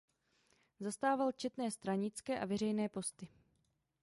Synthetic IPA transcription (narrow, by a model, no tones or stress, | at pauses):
zast̪aːvalt͡ʃɛt̪nɛːst̪ɾaɲɪt͡skɛːʔavɛɾɛjnɛːpo̞st̪ɪ